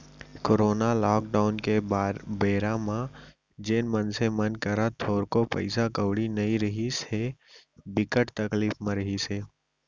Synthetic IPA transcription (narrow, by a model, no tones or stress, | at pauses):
koɾoːnalɔːk̚ɖaːʊnkebeːɾãmã | d͡ʒeːnmənsemənkəɾat̪ʰoːɾkopə̰ɪsakəwɽinɐĩɾəɦisebɪkəʈt̪ɐkliːfmẽɾəɦiseː